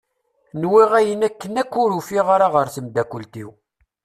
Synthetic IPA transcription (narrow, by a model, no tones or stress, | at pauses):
nwiʁæjənækːənækːʊɾufiʁaɾaʁəɾθəmd̪ækʷːəlt̪iw